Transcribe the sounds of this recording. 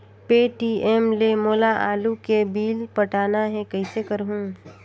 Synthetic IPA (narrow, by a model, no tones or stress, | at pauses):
peːʈiːɛmlemoːlaʔaːlukebiːlpɐʈaːnaɦɛ̃kɐisekɐɾɦũ